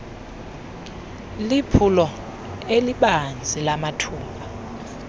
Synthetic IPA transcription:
lipʰulɔ | eliɓand͡zʱilamatʰuːmba

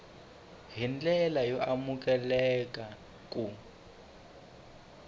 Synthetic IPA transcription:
ɦind͡ɮɛlajɔʔamuk̬ʼɛlɛkʼa | kʼu

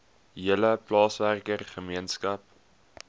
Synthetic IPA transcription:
ɦiələplɑːsværkərχəmiənskɐp̚

